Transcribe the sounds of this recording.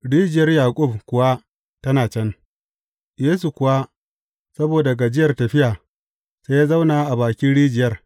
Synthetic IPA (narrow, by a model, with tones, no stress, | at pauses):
ɽiː˦d͡ʒɪ˨jɐ˦rjaː˨kʷʼʊ˦bkʷʊ˨wa˦ | tɐ˦naː˨t͡ʃɐ˦n | jeː˦s̬u˨kʷʊ˨wa˦ | sɐ˦boː˨da˨ɡa˨d͡ʒɪ˦jɐ˨rtɐ˨ɸɪ˦ʔaː˨ | se˦jaː˦za˦wnaː˨ʔa˨baː˨kʲɪ˦nɽiː˦d͡ʒɪ˨jɐ˦r